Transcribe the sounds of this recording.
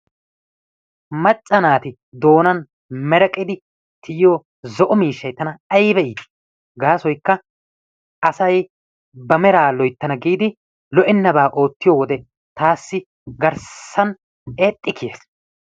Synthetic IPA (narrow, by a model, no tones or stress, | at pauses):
mɐt͡ʃʼːɐnaːt̪ɪ | d̪o̞ːnɐn | mɛɾɐkʼɪd̪ɪ | t̪ʰɪjjoː | zɔʔɔmiːʃːɐjt̪ɐnɐɐjbɛiːd̪ | ɡaːsɔjkːɐ | ɐsɐj | bɐmɛɾaːlɔjt̪ːɐnɐɡiːd̪ɪ | lɔʔɪnːɐbaːʔo̞ːt̪ːɪjoːwɔd̪ɛ | t̪aːsːɪ | ɡɐɾsːɐn | eːt̪ʼːɪkʰjeːs